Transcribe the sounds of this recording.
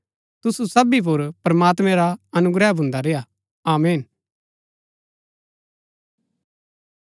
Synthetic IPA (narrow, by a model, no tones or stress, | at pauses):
t̪ʊsusɐbip̬ʊɾpɾɐmaːt̪mɛ̃ɾaɐnʊɡɾɛːbʱʊ̃nd̪aɾeːa | aːmeːn